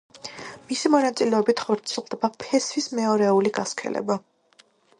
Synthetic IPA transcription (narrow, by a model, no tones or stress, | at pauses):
misimɔnat̪sʼilɛɔbit̪ʰχɔɾt̪sʰilˠd̪ɛbapʰɛsvismɛɔɾɛuliɡaskʰɛ̰lɛ̰ba